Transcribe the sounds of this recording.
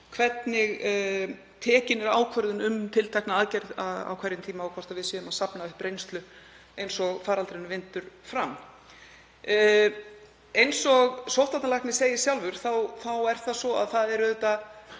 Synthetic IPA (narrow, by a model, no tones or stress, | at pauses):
kʰvɛt̪nɪɣ | t̪ʰɛːcɪnɛɾaːwkʰvœɾðʏnʏmt̪ʰɪlt̪ʰajknaaːðcɛɾðaða̰wkʰvɛɾɪnt̪ʰiːmaːwkʰvɔɾt̪aðvɪðsɛːðʏmaðsapnaʏhpɾejnst̪lʏ | ejnsɔɣfaːɾalt̪ɾenʏvɪnt̪ʏɾ̥fɾam | ejnsɔɣsowht̪at̪nalahknɪseːjɪ̥sjawlvʏɾ̥θawθawɛɾ̥θasvɔa̰ðθaðɛɾʏðɛt̪a